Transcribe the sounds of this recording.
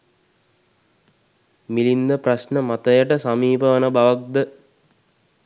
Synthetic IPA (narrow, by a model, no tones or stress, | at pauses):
milind̪əprasnəmat̪əjəʈəsamiːpəʋənəbaʋak̚d̪ə